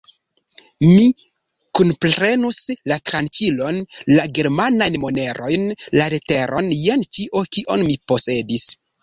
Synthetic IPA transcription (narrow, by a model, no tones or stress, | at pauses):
mi | kunplɾe̞nuslatɾant͡ʃilo̞nlaɡe̞ɾmanajnmo̞ne̞ɾo̞jnlaɾete̞ɾʔo̞njent͡ʃiʔo̞kiʔo̞nmipo̞se̞dis